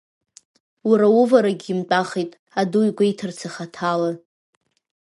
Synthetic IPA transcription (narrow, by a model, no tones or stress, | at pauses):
uɾauvaɾaɡʲimtʼaχejtʼ | adujɡʷaitʰɨrt͡sʰaχatʰala